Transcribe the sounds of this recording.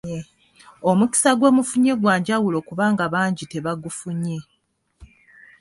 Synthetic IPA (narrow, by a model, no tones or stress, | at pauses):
o̞muki̥saɡwo̞ːmufuɲe̞ɡwaːɲɟawulo̞kuβaːŋɡaβaːɲɟite̞βaɡufuɲe̞